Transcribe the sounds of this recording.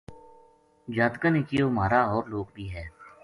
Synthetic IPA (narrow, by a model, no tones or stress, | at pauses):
d͡ʒaːt̪kəneːkijoːmaːɾaːɔːɾloːkbiːɦɛː